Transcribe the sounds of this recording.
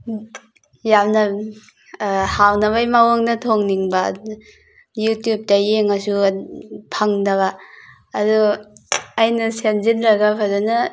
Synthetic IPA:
jamnɐ | hawnɐβajmawaŋnɐtʰoŋniŋba̰ | jutjup̚tɐjeŋasu | pʰaŋdɐβaː | du | ajnɐsenzinɾaɡapʰadunɐ

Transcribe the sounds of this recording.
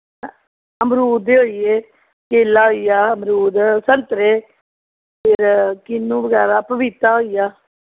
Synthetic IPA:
əmɾuːd̪eɦoːijeː | keːlaːɦoijaːəmɾuːd̪səɾt̪ɾeː | pʰɪɾkɪnːũːbəɡɛːɾaːpəʋit̪ːaːɦoːijaː

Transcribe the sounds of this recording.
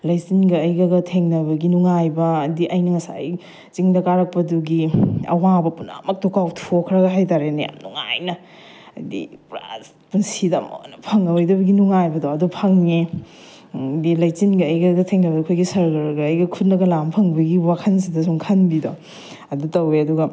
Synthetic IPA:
lɐjsinɡɐːjɡɐɡɐtʰeŋnɐbɐɡinuŋajbɐːdiʔɐjnɐŋɐsa̰j | t͡ʃiŋdɐkaɾɐk̚pɐduɡiɐ̰wabɐpunɐ̰mɐk̚tokawtʰokʰɾɐɡɐɦajtaɾenɐja̰mnuŋa̰jnɐ | dḭpɾa̰s | punsidɐmo̰nɐpʰɐŋɐwojdɐbɐɡinuŋajbɐdoɐdupʰɐŋne | dilɐjt͡ʃinɡɐːjɡɐɡɐtʰeŋnɐbɐdkʰojɡisɐɾlɐɾɡɐːjɡɐkʰut̚nɐɡɐlampʰɐŋbɐɡiwakʰɐns̬idɐsuŋkʰɐnbido | ɐdutɐweɐduɡɐ

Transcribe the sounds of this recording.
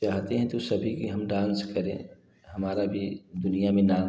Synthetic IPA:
aːɦt̪eɦɛ̃t̪osɐbʱikiɦɐmɖãːnskəɾẽː | ɦɐmaːɾabʱid̪ʊnijamẽnaː

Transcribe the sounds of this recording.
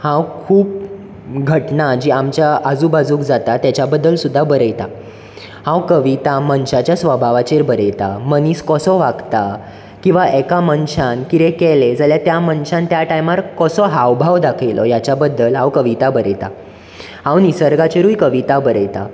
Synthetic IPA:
hãwkʰuːp̚ | ɡʱəʈnad͡ʑiːamt͡ɕjaad͡zuːbad͡zũːkd͡zat̪at̪ːjat͡ɕjabəd̪ːəlsud̪ʱːabəɾəjt̪a | hãwkəʋit̪amənɕat͡ɕjasʋəbʱaʋat͡ɕeɾbəɾəjt̪a̰məniːskɔsɔʋaɡt̪a | kĩw̃ʋaʔɛkamənɕankiɾẽkɛled͡zaljat̪jamənɕãnt̪jaʈajmaɾkɔsɔɦawbʱaʋd̪akʰəjlʔɔ̰jat͡ɕjabəd̪ːəlɦawkəʋit̪abəɾəjt̪a̰ | hãwnisəɾɡat͡ɕeɾuːjkəʋit̪abəɾəjt̪a̰

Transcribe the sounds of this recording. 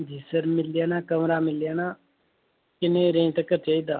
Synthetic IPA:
d̪ʱisəɾmɪljaːnaːkəmɾaːmɪljaːna | kɪnẽːɾẽːʈ̪ɐkːət͡ʃaid̪aː

